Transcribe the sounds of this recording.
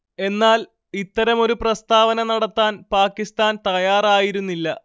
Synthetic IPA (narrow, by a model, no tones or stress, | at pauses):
e̞nːaːl | it̪ːɐɾɐmo̞ɾuprɐst̪aːʋɐnɐnɐɽɐt̪ːaːnpaːkːist̪aːnt̪ɐjaːraːjiɾunːilːɐ